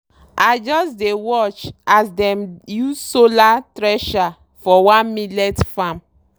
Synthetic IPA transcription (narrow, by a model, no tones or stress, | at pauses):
aɪd͡ʒɔsdewɔt͡ʃasdɛ̃mjussolatɾɛʃa | fɔwãnmilɛtfãm